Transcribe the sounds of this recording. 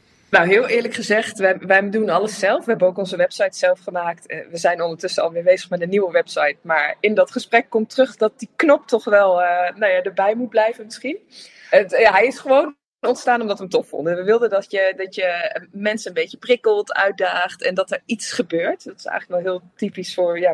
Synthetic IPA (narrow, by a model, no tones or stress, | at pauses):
nawɦɪːlˠɪːɹləkχəzɛχtʋɛʋɛjdunɑləsɛlˠfʋəɦɛbənowkɔnzəʋɛpsɑjtsɛlˠfχəmaːktːʋəzɛjnɔndəɹtʏsəɑ̰lˠʋɪːɹbejzəχmɛtənːiwəʋɛpsɑjtmaːɹɪndɑtχəsprɛkːɔmtrɵχdɑt̚diknɔp̚tɔχʋɛlˠənawjaːdəɹbɛjmut̚blɛjvənmɪsχin | ətaɦɛjɪsχəʋown | ɔntstaːnɔmdɑtɦəmtɔfɔ̰ndənʋəʋɪlˠdədɑtjədɑtjəmɛnsəənbejcəprɪkəlˠtœ̰ɥt̚daːχtɛndɑtəɹitsχəbøːɹtdɑtɪ̥sɛ̰jxələknɔlˠɦɪːlˠtipisfʊːɹjaː